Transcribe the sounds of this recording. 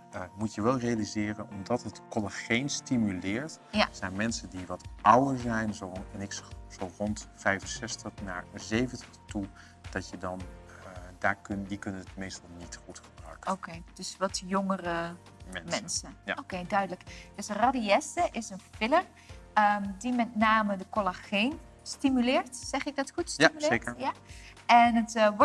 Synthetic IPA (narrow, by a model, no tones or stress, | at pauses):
mutjəʋɛlˠrejalizɪːrənɔmdɑtɦətkɔlaχejnstimylɪːɹtjazɛjnmɛnsəndiʋɑtʔawəɹzɛjnzoɛnɪksz̥orɔntfɛjvənsɛstəχna̰ːɹzejvəntəχtu | d̥ɑtjədɑn | daːɹkndikɵnənətmejstɑlˠnitχutχəbrœ̰ɥkəokʰejd̥øsʋɔtjoŋərə | mɛnmɛnsəjaokejdœɥdələkd̥øsradiɛstəʔɪsənfɪlər | ədimɛtnaːmədəkolaxeːn | stimylɪːɹtsɛχɪk̚dɔtxutstmylekəɹjaɛnətʋɔ